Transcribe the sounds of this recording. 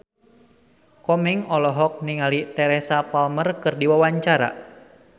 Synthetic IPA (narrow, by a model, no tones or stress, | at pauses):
kɔmiŋɔlɔɦɔk̚niŋalit̪ɛɾɛsapalmərkɨrdiwawaɲt͡ʃaɾa̰